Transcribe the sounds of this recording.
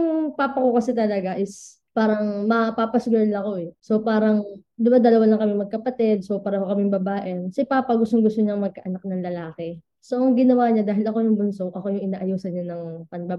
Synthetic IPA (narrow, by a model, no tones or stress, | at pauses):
ɐŋpaːpɐkokɐsɛt̪ɐlɐɡaʔɪs | paːɾɐŋmɐpapɐsɡʊjɐnlɐko̞ɛso̞paːɾɐŋd̪ɪbad̪ɐlɐwalɐŋkɐmɪmɐɡ̚kɐpɐt̪ɛd̪̚sopaːɾɐkokɐmɪŋbɐbaːʔɛnsɪpaːpɐɡʊst̪oŋɡʊst̪oɲaŋmɐɡ̚kɐʔɐnak̚nɐŋlɐlaːkɛ | soʔɐŋɡɪnɐwaːɲad̪aːɦɪlɐko̞jʊŋbʊnso̞kʔɐko̞jʊŋʔɪnaːʔɐjuːsɐnɲanɐŋpɐnbɐ